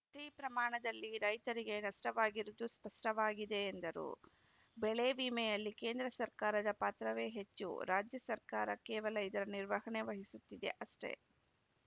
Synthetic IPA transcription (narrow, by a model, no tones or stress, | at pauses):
ʈɾiːpɾɐmaːɳɐd̪ɐlːiɾɐjt̪ɐɾiɡe̞nɐʂʈɐʋaːɡiɾud̪uspɐʂʈɐʋaːɡid̪e̞ːnd̪ɐɾṵ | bɛɭebiːmɛjɐlːike̞ːnd̪ɾɐsɐɾkaːɾɐd̪ɐpaːt̪ɾɐʋe̞ːɦe̞t͡ʃːṵɾaːd͡ʒjɐsɐɾkaːɾɐkɛːʋɐlɐid̪ɐɾɐniɾʋɐɦɐɳe̞ʋɐɦisut̪ːid̪e̞̰ʔɐsʈe̞̰